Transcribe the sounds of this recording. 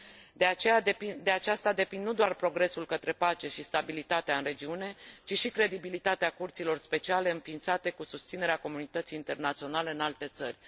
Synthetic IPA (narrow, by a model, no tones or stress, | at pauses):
d̪eat͡ʃejaepid̪e̞at͡ʃast̪ad̪e̞pinːud̪oarpɾo̞ɡɾe̞sulkət̪ɾe̞pat͡ʃe̞ʃist̪abilit̪at̪eaɨnɾe̞d͡ʒiune̞t͡ʃiʃikɾe̞d̪ibilit̪at̪eakurt̪silo̞rspe̞t͡ʃiale̞ɨnfiːnt̪sat̪e̞kusust̪sine̞ɾeako̞munit̪ət̪siːnt̪e̞rnat̪sio̞naleɨnalt̪e̞t̪sə̰rʲ